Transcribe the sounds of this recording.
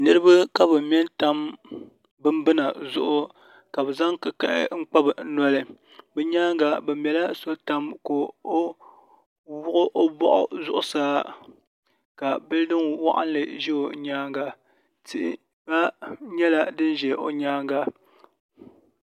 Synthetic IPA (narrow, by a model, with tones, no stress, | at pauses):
nɨ˦ɾɨ˦ba˦ka˦bɨ˨mɛ˦nta˦m | bɨ˦mbɨ˦na˨zʊ˦ʔʊ˦ | ka˨bɨ˨za˦ŋkɨ˨ka˦ʔɪ̰˦ŋ͡m̩˦k͡pa˦bɨ˨˦nɔ˦lɨ˨ | bɛ˨ɲaː˦ŋɡa˨bɛ˨mjɛ˨la˦so˦ta˦mko˨o˦ | wʊ˦ʔʊ˦ʔo˦bɔ˦ʔʊ̰˨zʊ˦ʔʊ˨saː˦ | ka˨bɨ˦ldɨ˦nwa̰˦ʔa̰˦n˦lɨ˨ʒɛ˦o˨ɲaː˦ŋɡa˨ | ti˦ʔɪ˦ | ba˦ɲɛ˦la˦dɨ˦nʒɛ˨ʔo̰˨ɲaː˦ŋɡa˨